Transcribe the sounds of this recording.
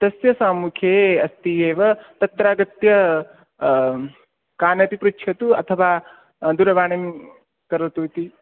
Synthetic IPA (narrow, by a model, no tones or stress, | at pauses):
t̪ɐsjɐsaːmukʰeːɐst̪ijeːʋɐt̪ɐt̪ːɾaːɡɐt̪jɐ | kaːnɐt̪ipɾut͡ʃʰjɐt̪uɐ̰t̪ʰɐʋaː | d̪uɾɐʋaːɳem | kɐɾɐt̪ut̪i